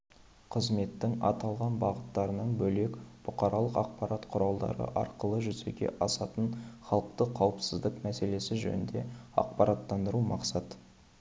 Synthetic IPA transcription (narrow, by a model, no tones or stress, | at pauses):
qʰəzme̞t̪ːɪŋɑ̰t̪ɑlˠʁɑnbɑʁət̪ːɑɾənəɴbɵle̞kb̥ʊqɑɾɑlˠəqɑq̚pɑɾɑt̪qʰʊɾɑlˠd̪ɑ̰ɾə̰ʔɑ̰ɾqəlˠəʒʏzeɡʲe̞̰ʔɑsɑt̪ənχɑlˠəq̚t̪əqʰɑwəpsɪzd̪ɪkmæse̞le̞sɪʒɵ̰nɪnd̪e̞ɑ̰q̚pɑɾɑt̪ːɑnd̪əɾumɑqsɑt̪